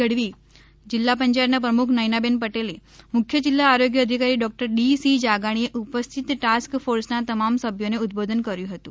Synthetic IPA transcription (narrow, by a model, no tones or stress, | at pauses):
əɽʋiː | d͡ʑilːapəɲt͡ʃajt̪nap̬ɾəmukʰnəjnabenpəʈelemukʰːjəd͡ʒilːaːɾoɡjəːd̪ʱikaɾiːɖɔk̚ʈəɾɖisid͡ʒaɡaɽ̃ieʔupəst̪ʰit̪ʈaskfoɾsnat̪əmamsəbʱjoneut̪̚bod̪ʱənkəɾjũɦət̪ũ